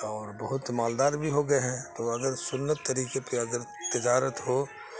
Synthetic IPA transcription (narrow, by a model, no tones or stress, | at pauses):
ɔːɾbɐɦʊt̪maːld̪aːɾbʱiɦoɡɐeɦɛ̃t̪oɐɡəɾsʊnːət̪ːɐɾiːkepeɐɡəɾt̪ɪd͡ʒaːɾət̪ɦoː